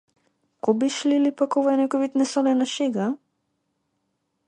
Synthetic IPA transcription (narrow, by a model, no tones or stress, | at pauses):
kobiʃlilipakoʋɔjɛnɛkɔʋit̪nɛsɔlɛnaʃeɡa